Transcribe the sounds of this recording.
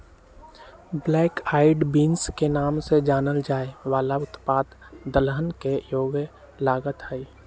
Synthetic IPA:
blɛːkaːɪɖbiːnskenaːmsed͡ʒaːnəld͡ʒaːeʋaːlaʊt̪paːd̪d̪əlɦənkejoːɡjə | laːɡət̪ɦɛi

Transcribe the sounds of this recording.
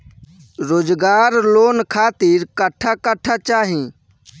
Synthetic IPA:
ɾoːd͡ʒɡaːɾloːnkʰaːt̪iɾkəʈʰːakəʈʰat͡ʃaːɦĩ

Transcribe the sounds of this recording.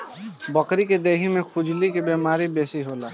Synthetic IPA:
bəkɾiked̪eːɦimẽkʰʊd͡ʒlikebeːmaːɾibeːsiɦoːlaː

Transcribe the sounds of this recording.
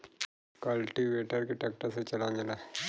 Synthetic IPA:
kɐlʈiʋeːʈəɾkeʈɐk̚ʈəɾset͡ʃɐlãːnd͡ʒ̪ena

